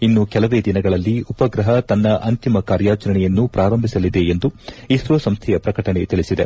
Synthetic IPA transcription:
inːukɛlɐʋe̞ːd̪inɐɡɐɭɐlːiupɐɡɾɐɦɐt̪ɐnːɐʔɐnt̪imɐkaːɾjaːt͡ʃɐɾɐɳɛjɐnːupɾaːɾɐmbʱisɐlid̪e̞end̪uiːʃɾɐsɐmst̪ʰɛjɐpɾɐkɐʈɐɳe̞t̪iɭisid̪e

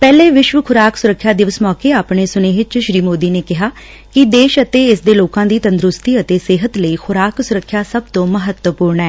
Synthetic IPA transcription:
pɛːleːʋɪʃʋəkʰʊɾaːksʊɾəkʰːjaːd̪ɪʋəsmɔːkeːaːpɳeːsʊneːɪt͡ʃʃɾiːmoːd̪iːneːkɪɦaː | kɪd̪eːʃət̪eːɪsd̪eːloːkãːd̪iːt̪ənd̪ɾʊst̪iːət̪eːsɪɦət̪ləiːxʰʊɾaːksʊɾəkʰːjaːsəbt̪õːməɦət̪wəpuːɾɳɛː

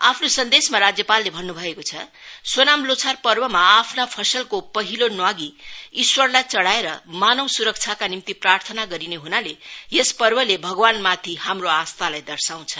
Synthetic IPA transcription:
apʰnosʌnd̪esmaɾad͡zjʌpalːebʱʌnːubʱʌekot͡sʰʌswʌnamlot͡sʰarpʌrbʌmaːpʰnapʰʌsʌlkopʌɦilonwaɡiiswʌrlajt͡sʌɽaeɾʌmanʌwsuɾʌk̚t͡sʰjakanimt̪iprart̪ʰʌnaɡʌɾineɦunalejespʌrbʌlebʱʌɡwanmat̪ʰihamroast̪alajd̪ʌrsaw̃t͡sʰʌ

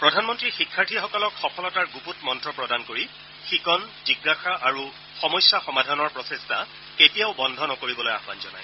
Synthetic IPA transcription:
pɹɔdʱanmɔntɹixikʰːaɹtʰixɔkɔlɔkxɔkʰɔlɔtaɹɡuputmɔntɹɔpɹɔdankoɹi | xikɔnziɡːaxaʔaɹu | xɔmɔjsːaxɔmadʱɔnɔɹpɹɔsestʰa | ketijaʊbɔndʱɔnɔkoɹibɔloja̰xba̰nzɔnaj

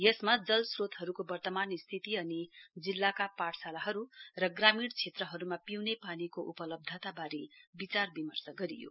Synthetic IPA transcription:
jʌsmad͡zʌlsrot̪ɦʌɾukobʌrt̪ʌmanist̪ʰit̪iʌnid͡zilːakapaʈʰsalaɦʌɾurʌɡramiɽt͡sʰet̪rʌɦʌɾumapiwnepanikoʔupʌlʌb̚d̪ʱʌt̪abaɾebit͡sarbimʌrsʌɡʌɾijo̰

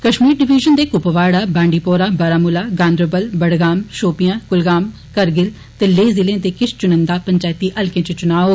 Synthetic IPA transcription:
kəʃmiːɾɖɪʋiːʒənd̪eːkʊpʋaːɽaːbãːɳɖiːpoːɾaːbəɾaːmʊlaːɡãːnd̪ɾəbəlbəɽɡaːmʃoːpijãːkʊlɡaːm | kəɾɡɪl | t̪eːleːzɪlẽːd̪eːkɪst͡ʃʊnənd̪aːpəɲt͡ʃaːjt̪iːʔəlkẽːt͡ʃət͡ʃʊnaːoː

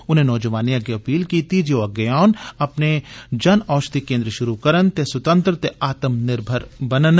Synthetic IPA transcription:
ʊnɦenɔːd͡ʒɐʋaːnijakeɐpiːlkiːt̪id͡ʒoɐɡjaːnɐpned͡ʒɐnɔːt͡ʃt̪ikẽːnd̪ɾəʃʊɾukɐɾənt̪esɐt̪ə̃nt̪ɾət̪eʔaːt̪əmnɪɾbʱəɾbɐnən

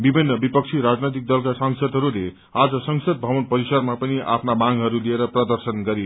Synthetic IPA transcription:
bibʱinːʌbipʌk̚t͡sʰiɾad͡znojt̪ik̚d̪ʌlkasʌŋsʌd̪ʱɦʌɾule | ad͡zʌsʌŋsʌd̪̚bʱʌbʌnpʌɾisʌrmapʌniʔa̰pʰnamaŋɡɦʌɾulieɾʌprʌd̪ʌrsʌnɡʌɾi

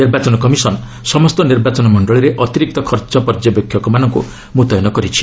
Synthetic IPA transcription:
niɾbat͡ʃɔnɔkɔmisɔn | sɔmɔst̪ɔniɾbat͡ʃɔnɔmɔɳɖɔɭiɾeʔɔt̪iɾik̚t̪ɔkʰɔɾt͡ʃɔpɔɾd͡ʒjɔbjɔkʰːjɔkɔmanʌŋkṵ | mut̪ɔjɔnɔkɔɾit͡ʃʰi̥

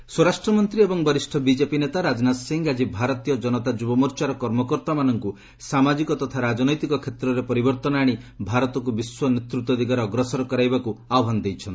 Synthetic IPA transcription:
swɔɾasʈɾɔmɔnt̪ɾiebɔŋbɔɾisʈʰɔbid͡ʒepinet̪aɾad͡ʒnasiŋɡad͡ʒibʱaɾɔt̪ijɔd͡ʒɔnɔt̪ad͡ʒubɔmɔɾt͡ʃaɾɔkɔɾmɔkɔɾt̪amanɔŋku | samad͡ʒikɔt̪ɔt̪ʰaɾad͡ʒɔnɔjt̪ikɔkʰet̪ɾɔɾepɔɾibɔɾt̪ɔnaɽ̃ibʱaɾɔt̪ɔk̬ubiswɔnet̪ɾut̪ɔd̪ʱikaɾɔːɡɾɔsɔɾɔkɔɾajbakuaɔbʱand̪ejt͡ʃʰɔnt̪i

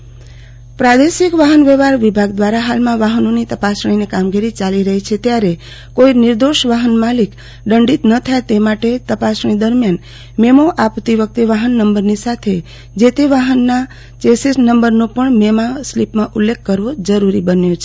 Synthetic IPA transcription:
pɾad̪eʃikʋaɦənʋeʋaɾʋibʱaɡd̪ʋaɾaɦalmãʋaɦənõnit̪əpasɽ̃inekamɡiɾit͡ʃaliɾəɦit͡ʃʰet̪jaɾe | koinɪɾd̪oʃʋaɦənmalik | ɖəɳɖit̪nət̪ʰaet̪emaʈet̪əpasɳ̃ĩd̪əɾmjan | memoʔapt̪iʋək̚t̪eʋaɦənːəmbəɾnisat̪ʰe | d͡ʒet̪eʋaɦənːa | t͡ʃesisnəmbəɾnopəɳmemaslipmãʔulːekʰːəɾʋod͡ʒəɾuɾibənjot͡ʃʰe̥

